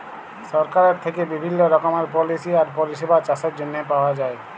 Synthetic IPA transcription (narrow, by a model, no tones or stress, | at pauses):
sɔɾkaɾeɾt̪ʰekebibʱinːoɾɔkomaɾpɔlisiaɾpoɾiʃebat͡ɕaseɾd͡ʑonːepaoad͡ʑae